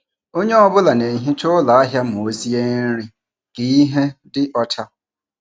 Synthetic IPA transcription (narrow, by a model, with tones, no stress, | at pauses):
o˦ɲe˦ɔ˦bʊ˦la˨ne˨ɦi˦t͡ʃʊ˦la˨a˦ɦja˦m˨o˨o˨zi˦e˦n̩˦ɾi˦ | ɡ̥i˨i˦ɦe˦dɪ˦ʔɔ˦tʰa˦